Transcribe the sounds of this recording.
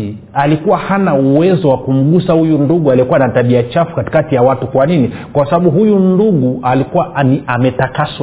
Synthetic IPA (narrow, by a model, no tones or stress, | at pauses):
alikuwahanauwɛzɔwakum̩ɠusahujunduɠualikuwanataɓiat͡ʃafu̥kati̥katijawatukwanini | kwasaɓaɓuɦujunduɠuʔalikuwaniamɛtakas